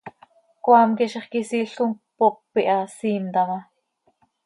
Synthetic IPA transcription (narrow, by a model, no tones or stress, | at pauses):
kʷwɑːmkiʃeχkisiːɬuŋpoppːiʔɑsiːmt̪ɑmɑ